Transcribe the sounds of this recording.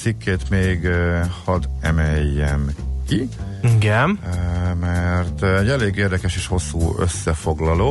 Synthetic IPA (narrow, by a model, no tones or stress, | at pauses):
sikːeːt̪meːɡhɒd̪ɛmɛjːɛmkiiɡɛmmɛrt̪ɛɟːɛleːɡeːrd̪ɛkɛʃeːʃho̞sːuːø̰sːɛfo̞ɡlɒloː